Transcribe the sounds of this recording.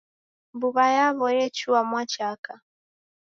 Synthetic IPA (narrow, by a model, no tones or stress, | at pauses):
mbuβajaβɔjɛt͡ʃuamwat͡ʃaka